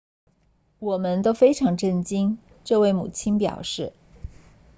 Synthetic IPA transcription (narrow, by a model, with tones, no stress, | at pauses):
wɔ˨˩mə˧˦nt̪o˥ʊfe˥ɪʈ͡ʂʰɑ˧˥ŋʈ͡ʂə˥˩nt͡ɕi˥n | ʈ͡ʂɤ˥˧we˥˩ɪmṵ˨˩t͡ɕʰi˥npjɑ̰˨˩ʊʂɻ̩˥˩